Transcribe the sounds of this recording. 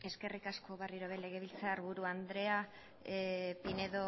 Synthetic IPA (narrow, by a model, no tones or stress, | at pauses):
e̞ske̞rikasko̞βeriɾoβele̞ɣ̞e̞β̞ilt͡saːɾβuɾuand̪ɾe̞a | pine̞ðo